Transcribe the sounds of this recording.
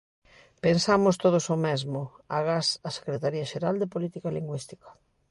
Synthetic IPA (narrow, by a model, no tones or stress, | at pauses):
pensamʊst̪oðosomɛzmʊaɣasase̥kɾet̪aɾiaʃeɾald̪epolit̪ikaliŋɡwist̪i̥kɐ̥